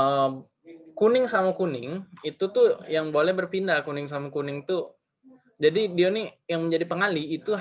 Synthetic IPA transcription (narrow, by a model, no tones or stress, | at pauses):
ə | kunɪŋsamakunɪŋit̪ut̪ʊjaŋbolɛhbərpindakunɪŋs̬amakunɪŋt̪ʊ | d͡ʒadidianɪjaŋməɲd͡ʒadipəŋaliːt̪u